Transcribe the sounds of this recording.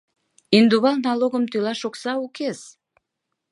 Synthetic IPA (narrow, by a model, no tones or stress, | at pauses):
ind̪uβɑlˠnɑlˠoɣəmt̪ylɑʃoksɑukes